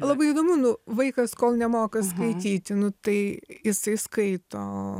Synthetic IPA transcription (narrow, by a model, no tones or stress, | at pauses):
lˠɐbɐɪiːd̪oːmʊnʊʋɐɪkɐskoːlˠnʲɛmoːkɐskɐɪt̪ʲiːt̪ʲɪnʊt̪ɐɪjɪsɐɪskɐɪt̪oː